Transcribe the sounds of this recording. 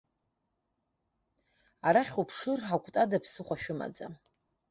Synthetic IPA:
aɾaχʲupʰʂɨrħakʷʰʼtʼadapʰsɨχʷaʃᶣʊma̰d͡za̰

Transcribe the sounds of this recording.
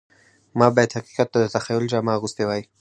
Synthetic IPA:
mɑbɑjad̪haqi̥qat̪̚ːad̪ət̪axajʊld͡ʒamɑɣust̪ewɑji

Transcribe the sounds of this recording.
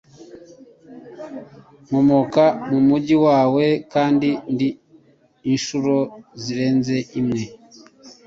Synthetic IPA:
mumokamumuɟiwaːwe̞kaːndindiː | nʃuɾo̞ziɾe̞ːnze̞ʔimŋe̞

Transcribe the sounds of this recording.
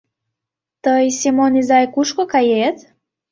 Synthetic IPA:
t̪əjsʲimonizajkuʃkokajet̪

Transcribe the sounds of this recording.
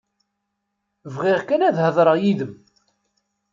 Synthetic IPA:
vʁiʁkænæðhəðˤɾˤəʁjiðəm

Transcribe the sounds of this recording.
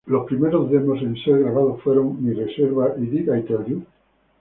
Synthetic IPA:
lospɾimeɾozðemosenseɾɣɾaβaðofweɾoŋmireseɾβaʔiðiɣajt̪oɾju

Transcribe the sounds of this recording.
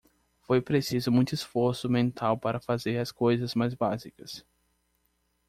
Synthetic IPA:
fojpɾesizʊmũj̃t̪ʊisfoɾsʊmẽnt̪ʰawpaɾɐfazeɾɐskojzɐzmajzbazikɐs

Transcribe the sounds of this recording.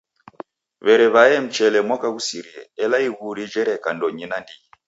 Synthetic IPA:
βɛɾɛβaɛm̩t͡ʃɛlɛmwakaɣusiɾiɛ̰ɛlaiɣuɾid͡ʒɛɾɛkandɔɲinandii

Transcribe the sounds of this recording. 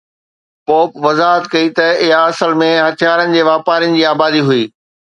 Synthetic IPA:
poːpʋɐzaːɦət̪kɐit̪ɐɪɦaɐsəlmẽɦɐt̪ʰjaːɾənɪ̆d͡ʑeːʋaːpaːɾinɪ̆d͡ʑiːaːbaːd̪iɦʊiː

